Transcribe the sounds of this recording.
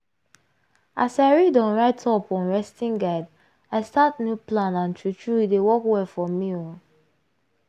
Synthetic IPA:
ʔasaɪɹidɔ̃nɹaɪtʰɔpɔ̃nɹɛstĩŋɡaɪd | aɪstatnjuplãnãntʰɹut͡ʃɹuidewɔkwɛlfɔmiɔ̃

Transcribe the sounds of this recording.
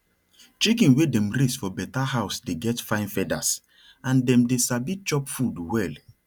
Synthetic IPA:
t͡ʃikĩnwedɛ̃mɾisfɔbɛtahaʊsdeɡɛtfãɪ̃nfɛda̰s | ãndɛ̃mdesabit͡ʃɔpfudwɛl

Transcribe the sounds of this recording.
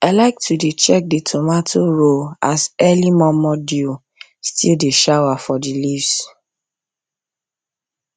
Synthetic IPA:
aɪlaɪk̚tʰudet͡ʃɛk̚ditʰomatʰoɹoasɛlimɔmɔdju | stʰildeʃawafɔdilivs

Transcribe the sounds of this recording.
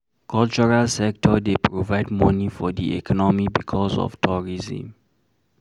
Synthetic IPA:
kʰɔlt͡ʃɔɹalsɛk̚tʰɔdepʰɹovaɪdmɔnifɔdḭɛ̰kʰɔnɔmibikʰɔzɔ̰vtʰɔɹizḭ̃m

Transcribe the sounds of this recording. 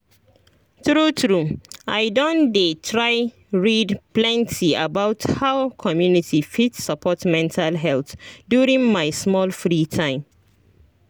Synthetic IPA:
tɹutɹuaɪdɔ̃ndetʰɹaɪ | ɹidplɛ̃ntʰiabaʊthawkʰɔmjunitʰifitsapʰɔtmɛ̃ntʰalɦɛlθdjuɹĩŋmaɪsmɔlfɹitʰãɪ̃m

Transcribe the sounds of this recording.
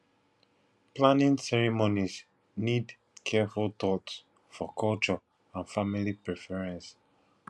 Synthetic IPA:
plãnĩnsɛɹimoniz | nid | kʰɛfultɔts | fɔkʰɔlt͡ʃɔ | ãnfamilipɹɛfɛɹɛ̃ns

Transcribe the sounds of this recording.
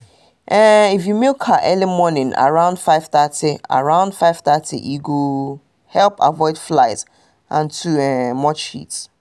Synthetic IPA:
ʔɛifjumilkʰaʔɛlimɔnɪ̃na̰ɹãʊ̃nd̥faɪv̥θatia̰ɹãʊ̃nd̥faɪv̥θatʰḭʔiɡo | hɛlpa̰vɔɪd̥flaɪt | ʔãntʰuɛmɔt͡ʃḭt

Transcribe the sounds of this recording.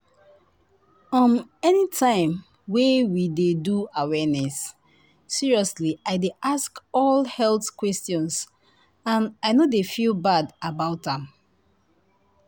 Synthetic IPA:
ɔ̃nɛnitʰãɪ̃m | wewideduawɛnɛsː | iɹiɔsliʔaɪdeʔaskɔlhɛlθkwɛstjɔ̃ns | ãnaɪnodefilˠbadabaʊtãm

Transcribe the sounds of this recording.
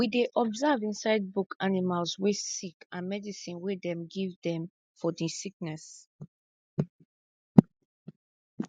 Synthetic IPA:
wideʔɔbzavĩnsaɪd̚bukʰanimalswesikãnmɛdisĩnwedɛ̃mɡivdɛ̃m | fɔdisik̚nɛs

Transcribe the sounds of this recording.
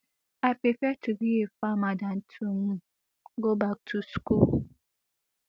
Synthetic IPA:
apɾifɛtubiefamadan̩tʰumu | ɡobak̚tʰuskul

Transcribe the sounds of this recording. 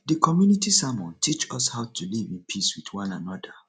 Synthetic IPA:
dəkʰɔmjunitisamɔ̃ntʰit͡ʃɔshaʊtʰulivĩnpʰiswidwãnanɔdə

